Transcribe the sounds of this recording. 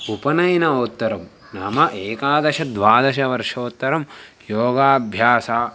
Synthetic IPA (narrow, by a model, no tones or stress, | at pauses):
upɐnɐjnɐoːt̪ːɐɾɐm | naːmɐʔeːkaːd̪ɐʃɐd̪ʋaːd̪ɐʃɐʋɐɾʂɐːt̪ːɐɾɐm | joːɡaːɐbʱjaːsaː